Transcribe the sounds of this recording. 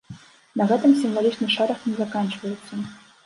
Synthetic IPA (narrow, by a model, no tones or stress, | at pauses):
nɐɣɛt̪ɨmsʲimvalʲit͡ʂnɨʂɛɾɐxnʲɛzakanʲt͡ʂvɐjɛt̪sːɐ